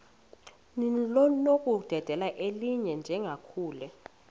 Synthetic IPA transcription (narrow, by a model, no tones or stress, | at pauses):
nlɔnokʼud̥ʱɛd̥ʱɛlaʔeliɲɛnd͡ʒʱɛŋɡʱakʰuːlɛ